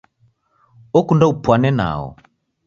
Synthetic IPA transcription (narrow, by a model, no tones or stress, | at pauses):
ɔkundaupwanɛna̰ɔ̰